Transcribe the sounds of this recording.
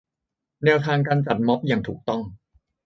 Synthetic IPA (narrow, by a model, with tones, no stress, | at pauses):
nɛː˧wt̪ʰaː˧ŋk̬aː˧nt͡ɕa˨˩t̪̚mɔ˦˥p̚jaː˨˩ŋt̪ʰuː˨˩k̚t̪ɔ˥˩ŋ